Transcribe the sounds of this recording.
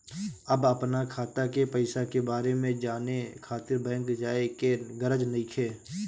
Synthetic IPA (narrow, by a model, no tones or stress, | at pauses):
əbəpnakʰaːt̪akepəɪsakebaːɾemẽd͡ʒaːnekʰaːt̪ɪɾbɛ̃ːŋkd͡ʒaːekeɡəɾəd͡ʒnəĩkʰeː